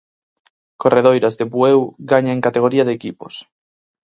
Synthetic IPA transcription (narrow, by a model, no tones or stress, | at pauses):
koreð̞ojɾazðeβuewɣaɲaeŋkat̪eɣ̞oɾiɐðekipo̰s